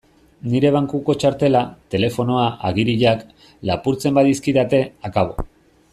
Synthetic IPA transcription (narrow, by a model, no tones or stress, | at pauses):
niɾe̞β̞aŋkuko̞t͡ʃaɾt̪e̞lat̪e̞le̞fo̞no̞aʔaɣiɾiʎak | lapuɾt͡se̞mbaðiskiðat̪e̞akaβ̞o̞̰